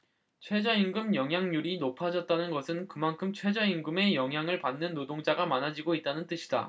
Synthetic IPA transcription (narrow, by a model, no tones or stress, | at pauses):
t͡ɕʰwe̞d͡ʑʌiŋɡɯmjʌŋɦjaŋɲuɾinopʰad͡ʑʌt̚t͈anɯnɡʌsʰɯnkɯmankʰɯmt͡ɕʰwe̞d͡ʑʌiŋɡɯme̞jʌŋɦjaŋɯɭpanːɯnːodoŋd͡ʑaɡamanad͡ʑiɡoit̚t͈anɯnt͈ɯɕʰi̥da̰